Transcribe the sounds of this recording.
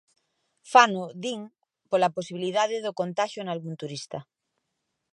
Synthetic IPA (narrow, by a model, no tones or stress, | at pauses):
fanoðiŋ | polaposiβiliðaðeðokont̪aʃjonalɣunt̪uɾist̪a